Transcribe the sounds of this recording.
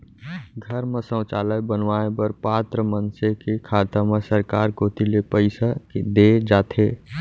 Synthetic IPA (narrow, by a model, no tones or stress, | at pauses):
ɡʱəɾmesə̃wt͡ʃaːləjbənʋaẽbəɾpat̪ɾəmənsekekʰaːt̪amesəɾkaːɾkoːt̪ilepəɪsakd̪ed͡ʒaːt̪ʰe